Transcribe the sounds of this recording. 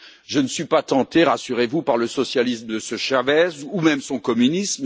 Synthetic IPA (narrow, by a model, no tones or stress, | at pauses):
ʒənəsɥipat̪ɑ̃t̪eʁasyʁevupaʁləsɔsjalisməd̪əsəʃavɛzumɛmsɔ̃kɔmynism